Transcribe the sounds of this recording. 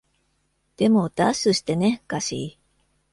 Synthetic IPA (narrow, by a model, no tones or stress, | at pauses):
d̪̥e̞mo̞d̪aɕɨɕi̥t̪e̞ne̞kaɕḭ